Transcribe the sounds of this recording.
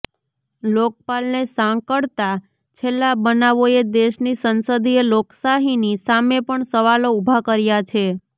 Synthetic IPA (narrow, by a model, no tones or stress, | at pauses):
lok̚palnesãŋkəɽt̪a | t͡ʃʰelːabənaʋoed̪eʃnisənsəd̪ʱieloksaɦinisamepəɳsəʋaloubʱakəɾjat͡ʃʰe